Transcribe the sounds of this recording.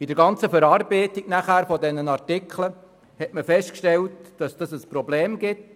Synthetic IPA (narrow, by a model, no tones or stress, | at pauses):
idəɾɡɑnt͡səfəɾɑːɾbɛɪtiɡ̥næχæːɾfɔdɛnənɑɾtɪkʰlə | hɛtməfɛstkʃtɛltd̥ɑsd̥ɑsəspɾɔbleːmɡɪt